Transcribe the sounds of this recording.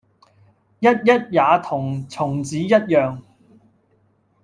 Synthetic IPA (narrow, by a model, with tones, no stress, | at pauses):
jɐ˥t̚jɐ˥t̚jaː˨˧t̪ʰʊ˨˩ŋt͡sʰʊ˨˩ŋt͡siː˨˥jɐ˥t̚jœː˨˧ŋ